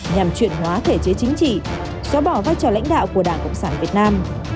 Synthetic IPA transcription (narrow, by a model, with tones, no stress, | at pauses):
ɲa˨˩mt͡ɕwḭ˧˨ənɦwaː˨˦t̪ʰe˧˩t͡ɕe˨˦t͡ɕï˨˦ŋ̟t͡ɕḭ˧˨ | sɔ˨˦ɓɔ˧˩vaː˧jt͡ɕɔ˨˩la̰˧˥jŋ̟ɗa̰ː˧˨wku˧˩əɗaː˧˩ŋkə̰˧˨ŋ͡msaː˧˩nvi˨˩ət̚naː˧m